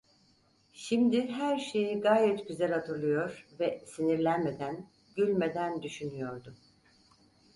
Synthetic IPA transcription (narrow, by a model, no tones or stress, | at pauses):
ʃimd̪iɦæɾʃe̞jiɡaːjɛt̪ɟyzælʲhat̪ʰɯɾlˠɯjo̞ɾvɛsiniɾlʲænme̞d̪æn | ɟylʲme̞d̪ænd̪yʃynyjo̞ɾd̪ʊ